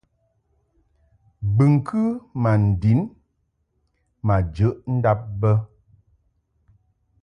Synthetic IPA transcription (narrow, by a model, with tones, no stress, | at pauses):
bɨ˨ŋ˨kʰɨ˦ma˨n̩˨di˨˦n | ma˨d͡ʒə˨˦ʔn̩˦da˦p̚bə˦